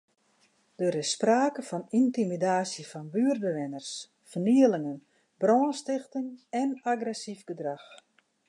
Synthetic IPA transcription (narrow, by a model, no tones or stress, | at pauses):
d̥øəɾɪspraːkəfɔnintimidaːsjəfɔnbyərdəʋɪnərs | fərniəlɪŋən | brɔːnstɪxtɪŋɛnaɡrɛsifɡədrax